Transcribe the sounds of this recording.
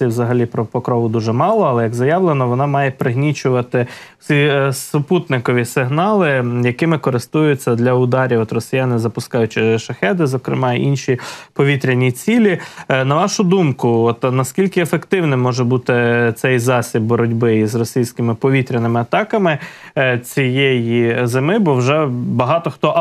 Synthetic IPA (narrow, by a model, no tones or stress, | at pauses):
iwzɐɦɐlʲipɾɔpɔkɾɔʋʊd̪uʒɛmɑlˠɔɐlˠɛjɐɡzɐjɑʋlˠenɔʋɔnɑmɑjɛpɾɪɦnʲit͡ʃʊʋɐt̪ɪ̥ | sʲisʊput̪nɪkɔʋʲisɪɦnɑlˠɪjɐkɪmɪkɔɾɪst̪ujʊt͡sʲːɐd̪lʲɐʊd̪ɑɾʲiɔt̪ɾɔsʲɪjanɪzɐpʊskɑjʊt͡ʃɪʃɐxɛd̪ɪzɔkɾɪ̰mɑ̰inʃʲipɔʋʲit̪ɾʲenʲit͡sʲilʲinɐʋɑʃʊd̪umkʊɔt̪nɐskʲilʲkɪefekt̪ɪwnɛmɔʒɛbut̪ɪt̪sɛjzɑsʲib̚bɔɾɔdʲbɪizrɔsʲijsʲkɪmɪpɔʋʲit̪ɾʲɪnɪmɪɐt̪ɑkɐmɪt͡sʲijejizɪmɪbɔwʒɛbɐɦɑt̪ɔxt̪ɔ